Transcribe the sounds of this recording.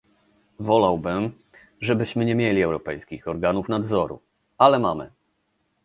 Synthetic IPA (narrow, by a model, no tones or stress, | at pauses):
vɔlawbɘm | ʐɛbɘɕmɘɲɛmʲjelʲiɛwɾɔpɛjskʲixɔɾɡanufnad̪zɔɾṵ | alɛmamɘ̰